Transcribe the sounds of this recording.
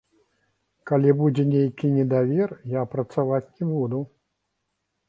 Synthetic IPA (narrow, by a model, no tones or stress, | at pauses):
kalʲibud͡zʲɛnʲejkʲinʲɛd̪avʲɛrjapɾɐt̪savat͡sʲnʲɛbud̪u